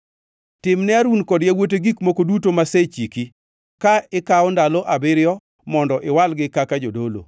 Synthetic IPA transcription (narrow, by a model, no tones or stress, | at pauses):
tɪmnɛaɾunkɔdjawot̬eɡikmokodutomaset͡ʃiki | kaɪkaɔndalɔʔabɪɾɪjɔ | mɔndɔʔɪwalɡɪkakad͡ʒodolo̰